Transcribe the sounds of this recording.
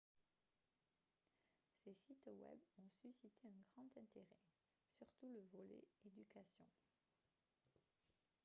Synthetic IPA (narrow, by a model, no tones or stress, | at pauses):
sesit̪wɛ̰bɔ̃sysit̪eɛ̃ɡʁɑ̃t̪ɛ̃t̪eʁɛ | syʁt̪uləvɔlḛed̪ykasjɔ̰̃